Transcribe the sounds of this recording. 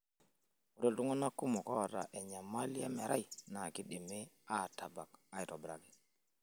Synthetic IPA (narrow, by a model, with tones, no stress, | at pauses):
u˨do˦ltu˦ŋɔ˦na˦ku˦mɔ˨kɔ˦˨ɾa̰˨ʔɛ˨ɲa˨ma˦li˦a˦mɛ˨ɾʔa˦jna˨ki˦ɗe˨me˦ | a˦˨ta˨ba˨ka˦i˨tɔ˨bɾa̰˨ɡɛ˨